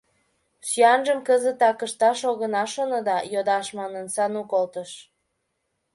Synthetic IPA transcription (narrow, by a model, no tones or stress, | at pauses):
syɑnʒəmkəzət̪ɑkəʃt̪ɑʃoɣənɑʃonod̪ɑjod̪ɑʃmɑnənsɑnukolt̪əʃ